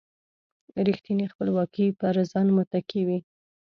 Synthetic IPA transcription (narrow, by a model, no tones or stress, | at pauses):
ɾixt̪inixpəlwɑkipəɾazɑnmʊt̪akiwi